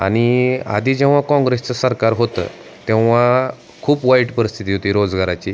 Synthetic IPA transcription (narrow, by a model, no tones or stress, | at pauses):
a̰ɽ̃ia̰d̪ʱiːd͡ʑɛ̃ʋ̤akɔ̃ŋɡɾest͡səsəɾkaɾɦot̪ə̰ | t̪ɛ̃ʋ̤a | kʰuːpʋaiʈpəɾist̪ʰit̪iːɦot̪iːɾod͡zɡaɾat͡ɕiː